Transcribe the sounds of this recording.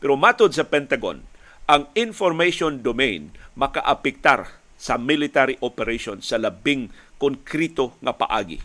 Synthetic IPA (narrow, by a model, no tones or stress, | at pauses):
pɛɾomat̪ʊd̪̚sɐpɛnt̪aɡo̰n | ʔɐŋɪnfoɾmejʃond̪omejnmɐkaʔapɪk̚t̪a̰ɾ | sɐmɪlɪt̪aɾiʔopɛɾejʃonsɐlɐbɪŋkʊnkɾit̪oŋɐpɐ̰ʔa̰ːɡɪ̰